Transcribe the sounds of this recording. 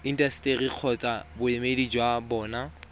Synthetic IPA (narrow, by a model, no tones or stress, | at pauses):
in̩dʼasi̥tʼeriq͡χʰɔt͡sʼabʊemedid͡ʒwabɔːna